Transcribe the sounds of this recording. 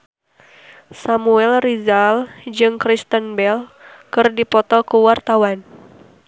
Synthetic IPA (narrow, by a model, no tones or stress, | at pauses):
samuɛlrizald͡ʒɨŋkɾist̪ənbɛlkɨrdipɔt̪ɔkəwart̪awan